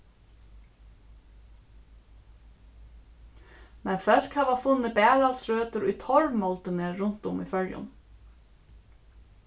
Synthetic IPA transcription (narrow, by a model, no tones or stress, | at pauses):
mɛnfœlkhɑːʋɑfʉnːəbæːɹɑlsɾøːt̪əɾuiːt̪ʰɔɹʋmɔlt̪əneːɹʊnt̪ʊmḭːfœljʊ̰n